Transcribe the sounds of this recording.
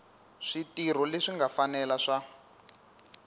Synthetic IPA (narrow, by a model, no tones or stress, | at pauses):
ʂitir̤ɔleʂiŋɡafanɛlaʂa